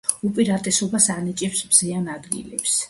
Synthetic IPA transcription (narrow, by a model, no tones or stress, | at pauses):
upʼiɾat̪ʼɛsɔbasanit͡ʃʼɛpsmz̥ianad̪ɡḭlɛps